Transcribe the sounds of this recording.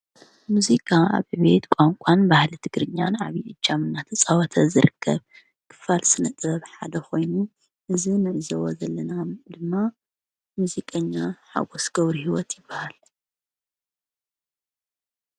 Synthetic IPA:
muzikʼaa̰βɨβe̞t̪kʷʼaŋkʷʼanbahlɨt̪ʰɨɡɾɨɲːanʕaβiʔɨd͡ʒːamɨnːat̪ʰɐsʼawɐt̪ʰɐzɨɾɨkʰːɐβ | kʰɨ̥falsɨnɐt̪ʼbɐβħad̪ɐxo̞jnu | ʔɨzinɨʕzɐwozɐlːɐnad̪ɨmːa | muzikʼɐɲːaħa̰ɡosɡ̥ɐβɾihiwɔt̪jɪbːahal

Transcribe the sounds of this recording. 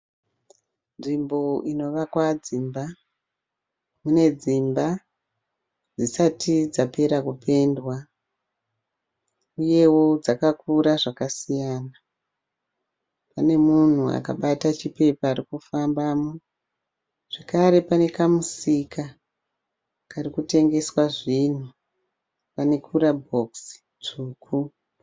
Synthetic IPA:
nʐimbo̞ino̞ʋakwad͡zimba | mune̞d͡zimba | d͡zisatid͡zape̞ɾakupe̞ndwa | uje̞wo̞d͡zakakuɾaʐakasijaːna | pane̞mun̤ua̰ka̰ɓatat͡ʃipe̞paːɾikufambamo | ʐ̥ekaɾe̞pane̞kamusika | karikute̞ŋɡe̞swaʐin̤u | pane̞kʰuɾabʱo̞ksi̥ | t͡ʂuːkʰu

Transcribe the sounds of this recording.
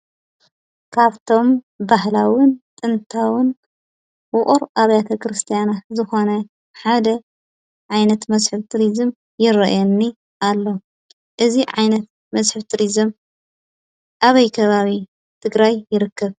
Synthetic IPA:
kʰaβt̪ʰo̞m | bahlawɨnt̪ʼɨnt̪ʰawɨn | wʊχʼuɾʔaβjat̪ʰɐkʰɾɨst̪ʰijanat̪zɨxo̞nɐ | ħad̪ɐ | ʕajnɐt̪mɐzħɨβt̪ʰɨɾizɨm | jɪɾɐʔjenːi | ʔalːo̞ | ʔɨziʕa̰jnɐt̪̚ | mɐzħɨβt̪ʰɨɾizɨm | ʔaβɐjkʰɐβaβi | t̪ʰɨɡɾajːɪɾɨkːɐβ

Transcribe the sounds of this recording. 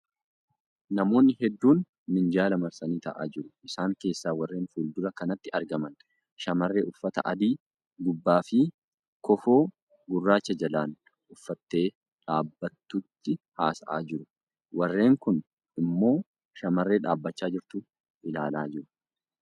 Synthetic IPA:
nɐmo̞ːnːɪɦɛd̪ːuːnː | ɪnd͡ʒaːlɐmɐɾsɐniːt̪ɐ̰ʔa̰ːd͡ʒɪɾʊʔɪsaːŋke̞ːsːaːwɐrːe̞ːnfuːld̪ʊɾɐkɐnɐt̪ːɪɐɾɡɐmɐn | ʃɐmɐrːeːʔʊfːɐt̪ɐ̰ʔɐ̰d̪iː | ɡʊbːaːfɪ | kɔfo̞ː | ɡʊrːaːt͡ʃːɐd͡ʒɐlaːn | ʊfːɐt̪ːe̞ː | ᶑaːbːɐt̪ːʊt̪ːɪhaːsɐʔa̰ːd͡ʒɪɾʊ | wɐrːe̞ːŋkʊn | ɪmːo̞ː | ʃɐmɐrːe̞ːᶑaːbːɐt͡ʃːaːd͡ʒɪɾt̪ʊ | ʔɪlaːlaːd͡ʒɪɾʊ̥

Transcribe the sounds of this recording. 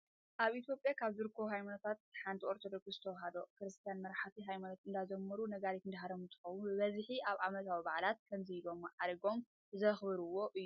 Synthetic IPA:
ʔaβit̪ʰjo̞pʼjakʰaβzɨɾɨkʰːoɦajmanot̪ʰat̪̚ħant̪ʰioɾt̪ʰo̞d̪okszɨt̪ʰɐwɦad̪o̞kɨɾɨst̪ʰijanmɐɾħat̪iɦajmanot̪ɨnd̪ad͡ʒɐmːɐɾunɐɡalik̪ɨnd̪aɦaɾɐmɨnt̪ʰɨ̥xɐwunbɨβɐzħiʔaβʕamɐt̪ʰawibaʕlat̪̚kʰɐmzɨilo̞mʕaɾɐɡo̞m | zɐxβɨɾɨwːo̞ʔɨjːuu

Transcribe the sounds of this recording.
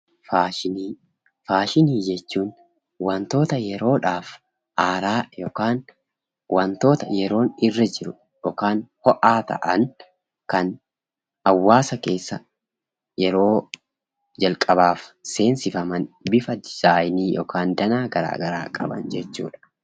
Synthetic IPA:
faːʃɪniː | faːʃɪniːd͡ʒɛt͡ʃːuːn | wɐnt̪o̞ːt̪ɐjɛɾo̞ːᶑaːf | ʔaːɾaːjɔkaːn | wɐnt̪o̞ːt̪ɐjɛɾo̞ːnɪrːɐd͡ʒɪɾʊ | jɔkaːnhɔʔaːt̪ɐ̰ʔɐn | kɐn | ɐwːaːsɐke̞ːsːɐ | jɛɾo̞ː | d͡ʒɐlkʼɐbaːfse̞ːnsɪfɐmɐnbɪfɐd̪ɪz̥aːjniːjɔ̰kʰaːnd̪ɐnaːɡɐɾa̰ːɡɐɾa̰ːkʼɐbɐ̰nd͡ʒɛt͡ʃːṵːᶑɐ̥

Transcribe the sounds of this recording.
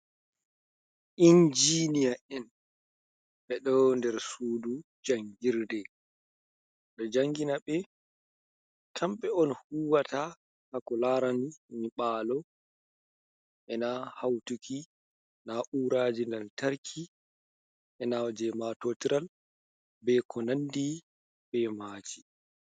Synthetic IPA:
ʔind͡ʒinijaʔɛn | ɓɛɗɔndɛɾsuːdu | d͡ʒaŋɡiɾdɛ | dɔd͡ʒaŋɡinaɓɛ | kʰamɓɛɔnhuːwata | hakɔlaɾanimiɓaːlɔ | ʔɛnahawtukʰi | naʔuɾaːd͡ʒindaltaɾkʰi | ʔɛnad͡ʒɛmatotiɾal | bɛkɔnandi | ɓɛmaːd͡ʒi

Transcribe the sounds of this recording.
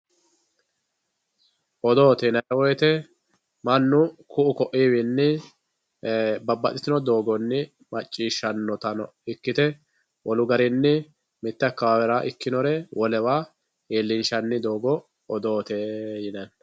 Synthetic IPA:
ʔɔd̪oːt̪ɛːnɐwɔjt̪ɛ | mɐnːʊkʊʔʊkɔʔiːwinːɪ | bɐbːɐ̰t̪ʼɪt̪ɪnɔd̪o̞ːɡɔnːɪ | mɐt͡ʃʼːiːʃːɐnːɔt̪ɐnɔ | ɪkːɪt̪ɛ | wʔɔlʊɡɐɾɪnːɪ | mɪt̪ːɐkːɐwawɛɾaːʔɪkːɪnɔɾɛwʔɔlɛwaː | eːlːɪnʃɐnːɪd̪oːɡɔ | ɔd̪oːt̪eːjɪnɐn

